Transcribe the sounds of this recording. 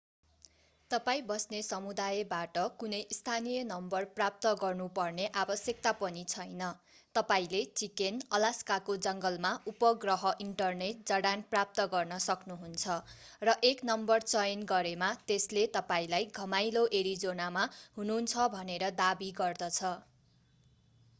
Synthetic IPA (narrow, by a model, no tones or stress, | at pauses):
t̪ʌpaĩbʌsnesʌmud̪ajebaʈʌkunʌjist̪ʰanijʌnʌmbʌrprap̚t̪ʌɡʌrnupʌrneʔabʌsjʌk̚t̪apʌnit͡sʰʌjnʌ | t̪ʌpaĩlet͡sikenʌlaskakod͡zʌŋɡʌlmaupʌɡrʌɦʌʔiɳʈʌrneʈd͡zʌɽanprap̚t̪ʌɡʌrnʌsʌknuɦunt͡sʰʌrʌʔeknʌmbʌrt͡sʌjnɡʌɾemat̪eslet̪ʌpaĩlajɡʱʌmajloʔeɾid͡zonamaɦununt͡sʰʌbʱʌneɾʌd̪abiɡʌrd̪ʌt͡sʰʌ